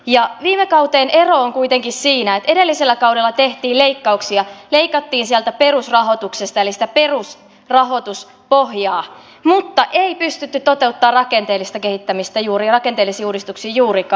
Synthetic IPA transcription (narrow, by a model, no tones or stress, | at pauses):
jɑʋiːmekɑwt̪eːne̞ro̞ːŋkujt̪eŋkissiːnæet̪e̞de̞lːiselːækɑwdelːɑt̪eht̪iːleikːɑuksiɑleikɑt̪ːiːnsiælt̪æperusrɑɦot̪uksest̪ɑelisi̥t̪æpe̞rus | rɑɦo̞t̪us | pohjɑː | mut̪ːɑʔeipyst̪yt̪ːytt̪o̞t̪eut̪ːɑːrrɑkent̪eːlːˑist̪ɑkehit̪ːæmist̪æjuːɾirɑke̞nt̪eːlːˑisiːuːdist̪uksiːjuːɾikɑ